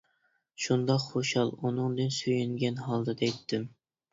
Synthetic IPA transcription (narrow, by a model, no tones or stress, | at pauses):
ʃund̪ɑqχoʃɑlˠunɨŋd̪ɨnsøjyŋɡʲɛnɦɑlˠd̪ɨd̪ɛjt̪ʰːɪm